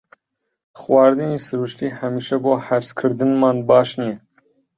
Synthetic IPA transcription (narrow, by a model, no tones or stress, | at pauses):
xwɑːɾd̪ɨniːsɨɾuːʃt̪iːhæmiːʃɛboːhæɾskʰɨɾd̪ɨnmɑːnbɑːʃnijɛ